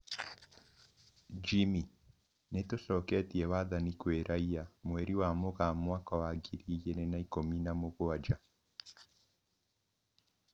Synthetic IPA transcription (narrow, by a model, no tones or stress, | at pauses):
d͡ʒimi | netoʃɔkɛtiɛwaðanikweɾʔaiamwɛɾiwamoɣamwakawaɡiɾijenɛnaikominamoɣoad͡ʒa